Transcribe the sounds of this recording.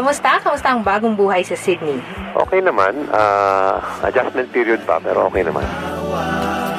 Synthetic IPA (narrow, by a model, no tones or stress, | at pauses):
ɐmʊst̪ɐkɐmʊst̪aʔɐŋbaːɡoŋbuːɦɐjsɐsɪd̪̚ni | ʔo̰ːkɛjnɐmanaːʔɐ̰d͡ʒasmɛnt̪̚piːɾiod̪̚bɐ̰pɛːɾoʔoːkɛjnɐma̰n